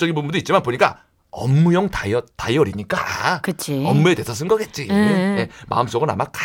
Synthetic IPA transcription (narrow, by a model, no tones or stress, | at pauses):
t͡ɕ͈ʌɡinpunbundoitt͡ɕ͈imanpoɲik͈a̰ | ʌmːujʌŋtaʌtajʌɾiɲik͈aakɯt͡ɕʰiʌmːue̞de̞sʰʌs̬ʰɯnɡʌɡe̞t̚t͡ɕ͈iejemʔa̰ɯms͈oɡɯna̰mak͈a